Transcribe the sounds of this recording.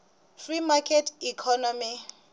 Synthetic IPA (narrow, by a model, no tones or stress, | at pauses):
frimakʰʼɛtikʰɔnɔmi